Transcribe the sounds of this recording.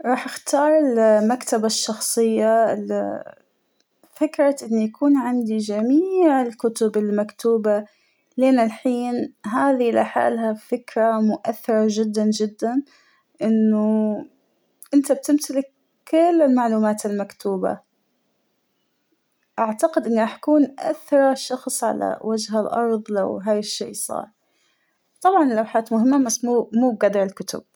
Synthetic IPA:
ɾˤɑːħʔɪxt̪ɑːɾˤɪlmakt̪abaʃːɑxsˤɨjːaɪl | fɪkɾˤɑʔɪnːjakʰuːnʕɪnd̪id͡ʒamiːʕɪlkʊt̪ʊbɪlmakt̪uːba | leːnɪlħiːnɦaːðiʔla̰ħa̰ːlhafɪkɾamʊʔaθːɪɾˤaʒɪd̪ːand͡ʒɪd̪ːan | ʔɪnːʊ | ʔɪnt̪ab̚t̪ɪmt̪ɪlɪkː | ɪlːɪlmaʕluːmaːt̪almakt̪uːba̰ | ʔaʕt̪aqɪd̪ʔɪnːʔaħakuːnʔa̰θɾˤɑʃɑxsˤʕa̰la̰wad͡ʒɦalʔɑ̰ɾˤðˤla̰wɦaːjɪʃːḛːsˤɑ̰ːɾˤ | t̪ˤɑbʕɑnlawħaːt̪mʊɦɪmːamasmuːmuːb̚ɡad̪ɑɾˤɪlkʊt̪ʊb̥̚

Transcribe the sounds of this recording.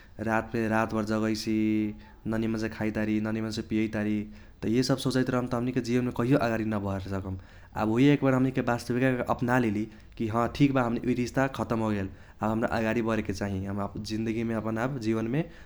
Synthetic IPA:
ɾat̪meɾat̪bʌɾd͡zʌɣʌjt͡sʰi | nʌnimʌnsekʰajt̪aɾinʌnimənsepijʌjt̪aɾi | t̪ʌjesʌbsot͡sʌjt̪ɾʌɦəmt̪ʌɦʌmniked͡zibʌnmekʌɦijoʔəɡaɾinʌbʱʌeɾsʌkʌm | a̰bɦojeekbʌɾɦʌmnikebast̪ʌbikakʔʌpnalili | kiɦʌ̃ʈʰikbaɦʌmniʔut̪ist̪akʰʌt̪ʌmɦoɡel | abɦʌmɾaʔəɡaɾibʱʌɾeket͡saɦĩɦʌmd͡zind̪əɡimeʌpʌnabd͡ziβʌnme

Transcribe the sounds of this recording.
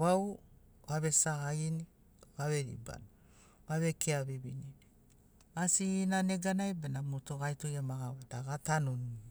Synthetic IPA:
βaw | aβe̞sahaini | βaβeɾḭba̰n | βaβekʰeaβibini | asinaneɡanajbenamotoɡajtojamaɡawadaɡatanoni

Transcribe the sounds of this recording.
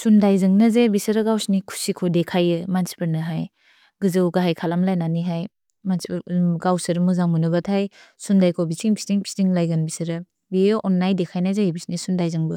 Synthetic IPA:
sundajzɯŋnɐzebisɐɾɐɡawsnikʰu̥sikʰodekʰajɯmansi̥pʰɯɾnɯɦaj | ɡɯzɯwɡaɦajkʰalamlajnaniɦaj | mansipɡawsɯɾmɯzaŋmunɯɡatʰajsundajkʰobisiŋpʰi̥stiŋpʰi̥stiŋlajɡanbisɐɾɯ | biʔɔnːajdekʰajnazebisnisundajzɯŋbɯ

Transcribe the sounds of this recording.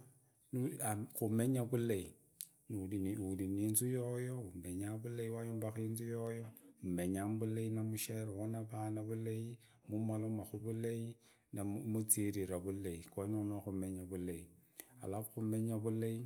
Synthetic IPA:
nuakumeɲabulei | nudiudininsujojoumeɲabuleiwajumbakinsujojoumeɲambuleinamuʃeɾwunabanabulej | mumalumaxubulei | namut͡siɾiɾabuleikomomakumeɲabulei | a̰labkumeɲabulei

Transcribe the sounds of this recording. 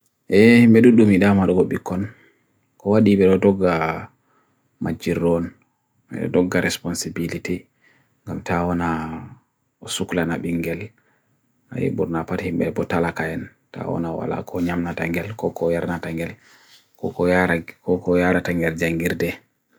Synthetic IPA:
ʔɛhimɓɛduɗːumiɗamaɗɔɡɔɓikʰːɔn | kɔwaɗiɓɛɗɔdɔɡːa | mʔad͡ʒiɾːɔn | ɛ̰ɗɔ̰dɔɡːaɾɛspɔnsibiliti | ŋɡamtawɔna | ɔsuklanaɓiŋɡɛl | ʔa̰jḭɓuɾnapathimɓɛbɔtalakajɛn | ta̰wɔ̰nawa̰la̰kʰɔɲamnataŋɡɛlkɔkɔjaɾnataŋɡɛl | kɔkɔakɔkɔjaɾataŋɡɛld͡ʒaŋɡiɾdɛ

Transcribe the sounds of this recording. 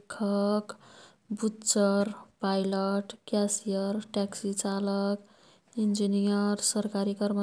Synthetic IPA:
kʰʌk | butt͡sʌɾpajlʌʈkjasijʌɾʈaksit͡ʃalʌk | ind͡ʒinijʌɾsʌɾkaɾikʌɾmə

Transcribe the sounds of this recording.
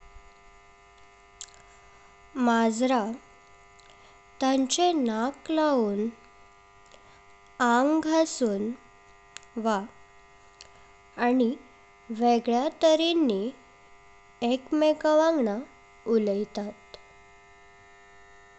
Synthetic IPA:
mad͡zɾa | t̪ãɲt͡ɕenaklauːn | aŋɡɡʱasuːn | ʋa | ni | ʋeɡɭjat̪əɾenːi | ekmeɡaʋãŋɡɳa | uləjt̪at̪

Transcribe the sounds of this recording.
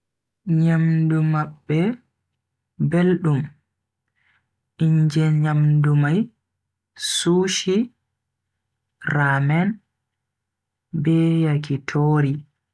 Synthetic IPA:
ɲamdumaɓːɛ | belɗum | iɲd͡ʒɛɲamdumaj | suːʃi | ramɛn | bɛjakitʰoːɾi

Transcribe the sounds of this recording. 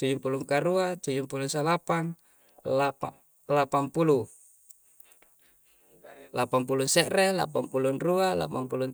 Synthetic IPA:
t̪ud͡ʒumpuluŋkaɾuat̪ud͡ʒumpulusalapaŋ | lapa | lapampulu | lapampulunseʔrela̰pampulunruala̰pampulun

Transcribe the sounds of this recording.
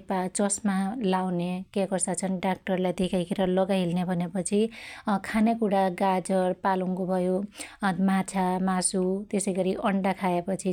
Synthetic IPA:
pat͡sʌsmalawnekekʌsat͡sʰʌnɖak̚ʈʌrlajd̪ekʰakʰeɾʌlʌɡaɦilnebʱʌnepʌt͡sʰikʰanekuɽaɡad͡zʌrpaluŋkobʱʌjo | mat͡sʰamasut̪esʌjɡʌɾiʔʌɳɖakʰaepʌt͡sʰi

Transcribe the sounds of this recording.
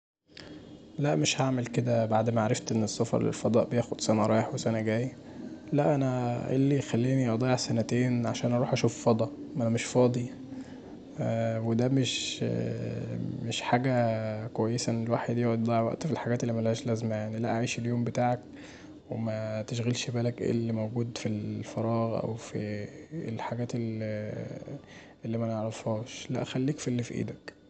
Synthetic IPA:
læʔmeʃhaʕmelked̪æbaʕd̪mæʕaɾˤɑft̪ʔenːesːɑfɑ̰ɾˤlḛlfɑd̪ˤɑːʔbejæːxod̪̥sænæɾˤɑːjeħwesænæɡæːjlæʔænæʔḛlːijxælːiːniʔɑd̪ˤɑːeʕsænæt̪eːnʕaʃæːnʔɑɾuːħʔæʃuːffɑd̪ˤɑʔʔænæmeʃfɑːd̪ˤi | wed̪æmeʃ | meʃħaːɡækwæjːesæelwaːħed̪ijoʕd̪d̪ˤɑʕwæ̰ʔt̪filħaɡæːt̪elːimænlhæːʃlæzmæjanilæʔæʕiːʃeljoːmbet̪aːʕak | wemæt̪eʃɣelʃebæːlækʔḛːlːimowɡuːd̪filfɑɾˤɑːɣʔæ̰wfielħaɡæːt̪el | ʔelːimæneʕɾˤɑfhuːʃlæ̰ʔæxælːiːkfielːifiʔḭːd̪æk

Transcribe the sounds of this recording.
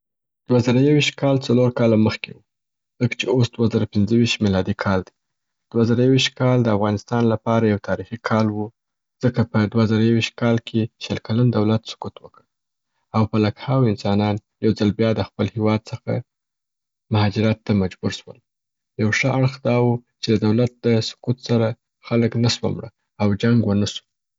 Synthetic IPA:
d̪̥wazəɾajawiʃt̪̚kɑlt͡saloɾkɑlaməxkewu | zəkt͡ʃeosd̪wazəɾapɪnzəwiʃt̪milɑd̪ikʰɑld̪i̥ | d̪̥wazəɾajawiʃt̪̚kɑld̪əafɣɑnɪst̪ɑnlapɑɾajawt̪ʰɑɾixikʰɑlwu | z̥əkapəd̪wazəɾajawiʃt̪̚kɑlkʰeʃəlkaland̪awlat̪sʊ̥kut̪wəkəɽ | awpalakhawɪnsɑnɑnjawzalbjɑd̪əxpəlhewɑd̪̚səxa̰ | mʊhɑd͡ʒɪɾat̪ːamad͡ʒbuɾʃwəl | jawʂəʔaɽxd̪ɑwut͡ʃed̪əd̪awlat̪̚d̪əsʊ̥kut̪saɾa | xaləknaswa̰mɽə̰ | awd͡ʒaŋɡwənasu̥

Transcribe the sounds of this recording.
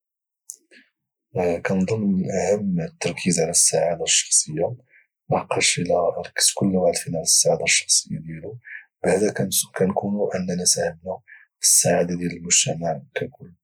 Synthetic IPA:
kænd̪ˤɑlːmənʔæhəmːət̪ːɑɾˤkʰizʕalæsːaʕad̪aʃːɑ̥xsˤəjːa | mɑqːɑʃəlæɾˤɑkːə̥skʊlːawʕalfinæləsːaʕad̪aʃːɑ̥xsˤəjːad̪jælubaʕd̪ækænkunuʔənːænæsʕəbnæ | fisːaʕad̪ad̪jæləlmʊʒt̪æmaʕkækʊlː

